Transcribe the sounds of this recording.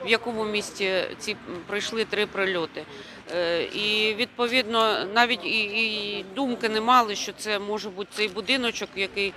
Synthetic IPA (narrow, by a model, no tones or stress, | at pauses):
ʋjɐkɔmʊmʲisʲtʲit͡sʲipɾɪjʃlˠɪt̪ɾɪpɾɪlʲɔt̪ɪ | iʋʲid̪̚pɔʋʲid̪nɔnɑʋʲitʲi | d̪umkɪnɛmɑlˠɪʃt͡ʃɔt̪sɛmɔʒɛbut̪̚ʲt̪sɛjbʊd̪ɪnɔt͡ʃɔkjɐkɪj